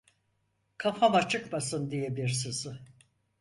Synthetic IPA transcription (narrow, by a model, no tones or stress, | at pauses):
kʰafamat͡ʃʰɯkmasɯnd̪ijɛbiɾsɯzɯ